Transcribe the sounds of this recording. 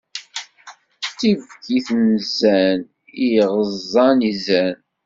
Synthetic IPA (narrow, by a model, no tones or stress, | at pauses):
θivkiθnzæn | ijʁəzˤːɑnizæn